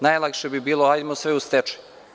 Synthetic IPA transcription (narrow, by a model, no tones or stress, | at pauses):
najlˠakʃebibiːlˠoajd̪mosʋeust̪et͡ʃɛ̥